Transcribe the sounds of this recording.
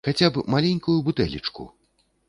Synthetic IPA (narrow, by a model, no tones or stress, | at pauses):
xat͡sʲapmalʲenʲkujubut̪ɛlʲḭt͡ʂkṵ